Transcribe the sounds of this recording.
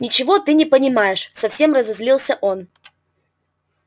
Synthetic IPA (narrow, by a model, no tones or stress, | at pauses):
nʲɪt͡ɕɪvo̞t̪ɨnʲɪpənʲɪmajɪʂsɐfsʲe̞mrəzɐzlʲilˠsʲəʔon